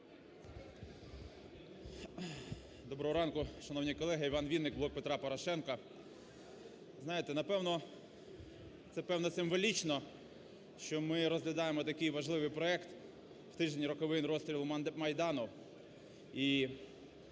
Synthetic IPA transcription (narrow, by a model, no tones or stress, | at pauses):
d̪ɔbɾɔɦɔɾɑnkʊʃɐnɔwnʲijkɔlˠɛɦɐiʋɑnʋʲid̪nɪk̚blˠɔk̚pet̪ɾɑpɔɾɔʃɛnkɐ | znɑjet̪ɛnɐpɛwnɔ | t̪sɛpɛwnɔsɪmʋɔlʲit͡ʃnɔ | ʃt͡ʃɔmɪɾɔzɦlʲɐd̪ɑjemɔt̪ɐkɪjʋɐʒlˠɪʋɪjpɾɔɛkt̪ | wt̪ɪʒenʲiɾɔkɔʋɪnɾɔst̪ɾʲilˠmɐjd̪ɑnʊ | i